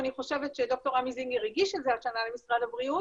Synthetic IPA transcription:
aniχo̞ʃe̞vetʃed̪o̞k̚t̪o̞ʁamiziŋiʁeɡiʃelzeaʃanalemisʁad̪abʁiu

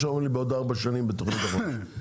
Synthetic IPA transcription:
ʃamelibeod̪aʁbaʃanimbet̪oχnit̪aʁo

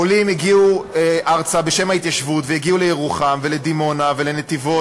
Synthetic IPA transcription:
olimjiɡiueʔaʁt͡sabe̞ʃe̞mhait̪jaʃvut̪vejeɡiulejeʁuχamveled̪imo̞navelenet̪ivo

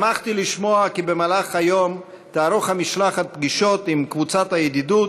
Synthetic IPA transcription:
maχt̪iliʃmoakibəmalaχhajom | t̪aaɾoχhamiʃlaχapɡiʃot̪imkvut͡sathajɛd̪idut

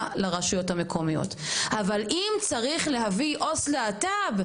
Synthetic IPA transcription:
laʁaʃujo̞thame̞kʰo̞mijo̰t̪avalʔimt͡saʁiχle̞ɦaviʔo̞sleatab

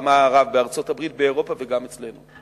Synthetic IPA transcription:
maʁavbeaʁt͡so̞tabʁit̚beːʁo̞pave̞ɡamet͡sle̞nu

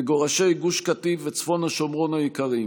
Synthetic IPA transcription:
eɡo̞ʁaʃe̞jɡuʃkativet͡sfo̞naʃomʁo̞najikaʁi

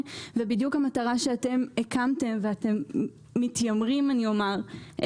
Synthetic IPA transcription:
vebidjukhamataʁaʃeate̞mekamte̞mveate̞mː | itjamʁimaniomaʁʔ

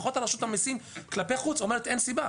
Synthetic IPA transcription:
χo̞t̪alaʃut̪amisinklapeχut͡so̞meet̪ensiba

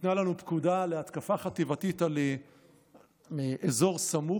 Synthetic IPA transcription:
t̪nalanupkudaleat̪kafaχat̪ivat̪it̪ale | ʔezo̞ʁsamu

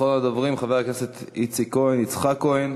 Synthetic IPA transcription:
oladɔvʁimχavɛʁknɛsɛt̪it͡sikoinit͡sχakoin

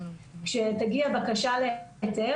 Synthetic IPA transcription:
kʃet̪aɡiabakaʃalet͡se

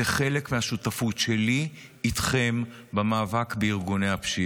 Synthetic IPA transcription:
eχe̞lekmehaʃutafutʃe̞li | itχe̞m | bamaːvakbeiʁɡunehapʃi

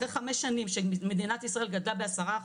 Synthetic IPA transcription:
ʁeχameʃːanimʃemed̪inat̪isʁae̞lɡad̪labeasaʁa

